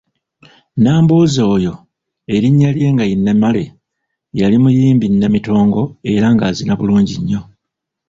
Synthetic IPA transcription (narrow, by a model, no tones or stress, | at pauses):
naːmboːzo̞ːjo̞ | e̞ɾiɲːalje̞ːŋɡajinːemale | jalimujiːmbinːemito̞ːŋɡo̞e̞ɾaŋɡaːzinaβuluːɲɟiɲːo̞